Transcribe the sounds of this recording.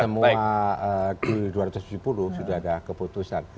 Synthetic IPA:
səmuaəkəduaɾat̪ʊst̪ud͡ʒupuluhsudahadakəput̪usan

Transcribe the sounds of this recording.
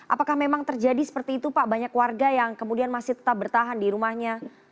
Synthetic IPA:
ʔa̰pakahmemaŋt̪ərd͡ʒadisə̥pərt̪iːt̪upaʔbaɲakwarɡajaŋkəmudianmasɪht̪ə̥t̪ap̚bərt̪aɦandiɾumahɲa

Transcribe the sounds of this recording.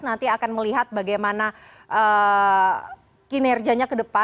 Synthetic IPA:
nant̪iakanməliɦat̪̚baɡajmana | ʔə | kinɛrd͡ʒaɲakədəpa

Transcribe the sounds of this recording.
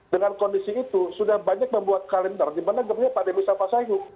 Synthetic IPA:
dəŋankɔndisiːt̪usudahbaɲak̚məmbuat̪̚kalɛndardimanaɡərɲapademisafasaju

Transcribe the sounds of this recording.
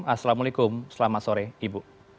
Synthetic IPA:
masalamalikʊmsəlamat̪soɾeibuʔ

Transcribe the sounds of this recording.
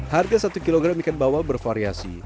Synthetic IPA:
harɡasat̪ukiloɡɾamikan̚bawalbərfaɾiasḭ

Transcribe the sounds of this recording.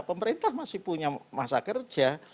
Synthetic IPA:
pəməɾint̪ahmasɪhpuɲamasakərd͡ʒa

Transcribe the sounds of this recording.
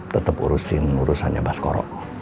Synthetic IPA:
t̪ət̪əpṵɾusɪnuɾushaɲa̰baskɔɾɔ̰ʔ

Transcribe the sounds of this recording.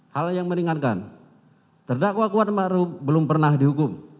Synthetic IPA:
haljaŋməɾiŋat̪̚ka̰n | t̪ərdakwakuat̪̚maɾubəlʊmpərnahdiɦukʊm

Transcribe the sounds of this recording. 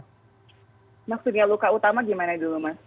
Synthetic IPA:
maksʊt̪̚ɲalukaut̪amaɡimanadulumas

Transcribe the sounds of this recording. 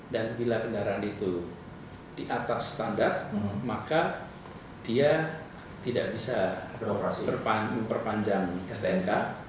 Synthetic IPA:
danbilakəndaɾaːnit̪u | d̥iʔat̪asːt̪andart̪̚maka | d̥ia | t̪idaʔbisaapərpaməmpərpaɲd͡ʒaŋɛst̪eɛnka

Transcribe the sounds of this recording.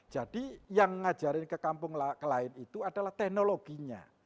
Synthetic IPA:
d͡ʒ̥ad̥ijaŋːḁd͡ʒ̥aɾɪnkəkampʊŋlkəlaɪnit̪uad̥alaht̪ɛknoloɡ̥iɲa̰

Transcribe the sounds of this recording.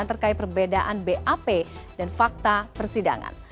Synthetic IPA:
nt̪ərkait̪̚pərbedaʔanbeʔapedanfak̚t̪apərsida̰ŋa̰n

